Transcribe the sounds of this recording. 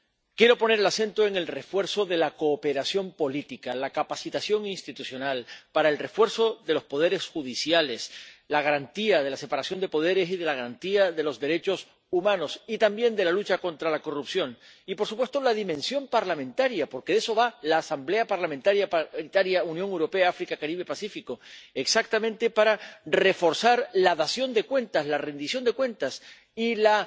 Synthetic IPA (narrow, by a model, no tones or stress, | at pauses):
kje̞ɾo̞po̞ne̞ɾelase̞nt̪oe̞ŋe̞lre̞fwe̞ɾso̞ðe̞lako̞ːpe̞ɾasjo̞mpo̞lit̪ikalakapasit̪asjo̞ŋinst̪it̪usjo̞nalpaɾae̞lre̞fwe̞ɾso̞ðe̞lo̞spo̞ð̞e̞ɾesxuðisjale̞slaɣ̞aɾant̪iaðe̞lase̞paɾasjo̞nd̪e̞po̞ð̞e̞ɾe̞siðe̞laɣ̞aɾant̪iaðe̞lo̞zðe̞ɾe̞t͡ʃo̞s | umãno̞sit̪ambje̞nd̪e̞lalut͡ʃako̞nt̪ɾalako̞rupsjo̞n | ipo̞ɾsupwe̞st̪olaðimẽ̞nsjo̞mpaɾlamẽ̞nt̪aɾjapo̞ɾkeðeso̞βalaːsamble̞apaɾlament̪aɾjait̪aɾjaunjõ̞ŋewɾo̞pe̞aafɾikakaɾiβe̞pasifiko̞eksak̚t̪amẽnt̪e̞paɾare̞fo̞ɾsaɾlaðasjo̞nd̪ekwe̞nt̪aslare̞nd̪isjo̞nd̪e̞kwe̞nt̪as | ila